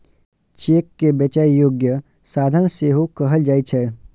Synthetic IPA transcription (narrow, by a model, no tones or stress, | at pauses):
t͡ʃeːkːebət͡ʃaːijoːɡjə | saːd̪ʱənseːɦokəɦəld͡ʒaːit͡ʃʰɛ